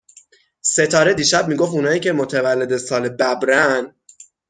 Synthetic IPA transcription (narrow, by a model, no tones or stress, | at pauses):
se̞t̪ʰɒːɾed̪iːʃæb̚miːɡoft̪unɒːiːcʰe̞mot̪ʰevælːe̞d̪esɒːlebæbɾæn